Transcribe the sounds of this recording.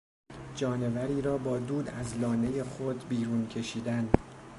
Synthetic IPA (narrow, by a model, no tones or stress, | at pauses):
d͡ʒɒːne̞væɾiːɾɒːbɒːd̪uːd̪æzlɒːne̞je̞xod̪biːɾuːncʰe̞ʃiːd̪æn